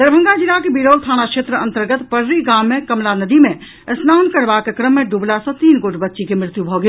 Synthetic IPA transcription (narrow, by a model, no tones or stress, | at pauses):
d̪əɾbʱə̃ŋɡad͡ʒilakebiɽoːlt̪ʰaːñakʃeːt̪ɾəə̃nt̪əɾɡət̪pəɾɾiɡaːmːẽkɐmlanəd̪imẽ | snaːnkəɾbakekɾəmːẽɖublasɐ̃t̪iːnɡoːʈbɐtːʃikemɾɪt̪jubʱoɡe